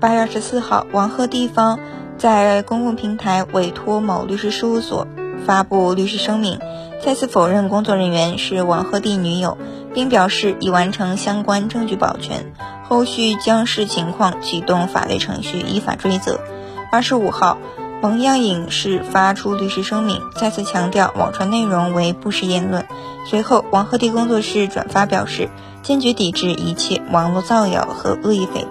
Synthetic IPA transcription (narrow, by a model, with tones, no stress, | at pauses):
pa˥ɥɛ˥˧a˞˥˩ʂɻ̩˧˥sɹ̩˥˧xɑ̰˥˩ʊwɑ˧˥ŋxɤ˥˧t̪i˥˩fɑ˥ŋ | t͡sa˥˩ɪ˩kʊ˥ŋkʊ˥˩ŋpʰi˧˥ŋt̪ʰa˧˥ɪwʔe˥˩ɪt̪ʰwɔ˥mo˨˩ʊly˥˧ʂɻ̩˥˧ʂɻ̩˥u˥˩swɔ̰˨˩˦fa˥pu˥˧ly˥˧ʂɻ̩˥˩ʂɤ˥ŋmi˥˧ŋ | t͡sa˥˧t͡sʰɹ̩˥˩fo˨˩ʊɻə˥˩nkʊ˥ŋt͡swɔ˥˩ɻə˧˥nɥɛ˧˥nʂɻ̩˥˩wɑ˧˥ŋxɤ˥˧t̪i˥˩ny˧˥jo˨˧˩ʊ | pi˥˩ŋpjɑ˨˩ʊʂɻ̩˥˩i˨˩wa˧˥nʈ͡ʂʰɤ˧˥ŋɕjɑ˥ŋkwa˥nʈ͡ʂɤ˥˧ŋt͡ɕy˥˩pɑ̰˨˩ʊt͡ɕʰɥɛ̰˧˥n | xo˥˧ʊɕy˥˩t͡ɕjɑ˥ŋʂɻ̩˥˩t͡ɕʰi˧˥ŋkʰwɑ˥˧ŋt͡ɕʰy˨˩t̪ʊ˥˩ŋfa̰˨˩wḛ˥˩ɪʈ͡ʂʰɤ̰˧˥ŋɕy˥˩ʔḭ˧˥fa̰˨˩ʈ͡ʂwe˥ɪt͡sɤ̰˧˥ | a˞˥˧ʂɻ̩˧˥u˨˩xɑ˥˩ʊ | mɑ˧˥ŋjɑ˥˩ŋi˨˩ŋʂɻ̩˥˩fa˥ʈ͡ʂʰu˥ly˥˧ʂɻ̩˥˩ʂɤ˥ŋmḭ˥˧ŋt͡sja˥˧t͡sʰɹ̩˥˩t͡ɕʰjɑ˧˥ŋt̪jɑ˥˩ʊwʔɑ̰˨˩ŋʈ͡ʂʰwa˧˥nne˥˩ɪɻʊ˧˥ŋwe˧˥ɪpu˥˧ʂɻ̩˥˧jɛ˥˧nlwə˥˩n | swe˧˥ɪxo˥˩ʊwɑ˧˥ŋxɤ˥˧t̪̬i˥˩kʊ˥ŋt͡swɔ˥˧ʂɻ̩˥˩ʈ͡ʂwa̰˨˩nfa˥pjɑ˨˩ʊʂɻ̩˥˩ | t͡ɕjɛ˥˩nt͡ɕɥɛ˧˥t̪i˨˩ʈ͡ʂɻ̩˥˩ʔi˧˥t͡ɕʰjɛ̰˥˩wʔɑ˧˥ŋlɔ˥˧t͡sɑ˥˩ʊjɑ̰˨˩ʊxɤ̰˧˥ɤ˥˧i˥˩fḛ˧˩ɪ